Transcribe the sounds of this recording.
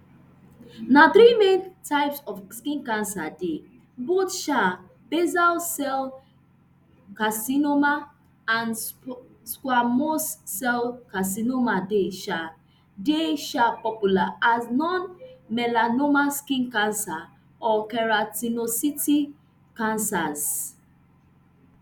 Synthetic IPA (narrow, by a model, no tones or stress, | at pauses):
nat̪ɾimẽntaɪpsɔfskĩnkãnsa̰de | botʃa | b̥ezalsɛl | kasinoma | ãn | skwamosːɛlkas̬inomadeʃa | deʃapɔpjulaaznɔ̃nmɛlanomaskĩnkãnsa | ɔkɛɹatinositi | kãnsaz